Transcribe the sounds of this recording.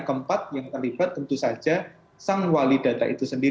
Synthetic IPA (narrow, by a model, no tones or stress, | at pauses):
kəmpat̪̚jaŋt̪ərlibat̪̚ːənt̪usḁd͡ʒa | saŋwalida̤t̪a̰ʔit̪usəndi